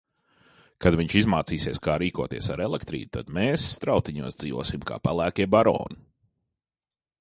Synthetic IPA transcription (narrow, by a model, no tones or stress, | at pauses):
kad̪viɲt͡ʃizmaːt̪siːsiɛskaːɾiːkuɔt̪iɛsaɾɛlˠɛkt̪ɾḭːd̪t̪ad̪meːsːt̪ɾawt̪iɲuɔsd̪z̥iːʋṵɔsimka̰ːpalˠæːkʲiɛbaɾɔ̰ːnu